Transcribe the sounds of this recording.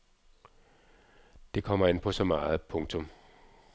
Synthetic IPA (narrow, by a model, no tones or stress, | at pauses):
d̥e̝kʰɒ̽m̰ɐe̝n̰pʰɒ̽sɒ̽mɑ̈ːð̩ˠpʰɔ̽ŋt͡sʰɔ̽m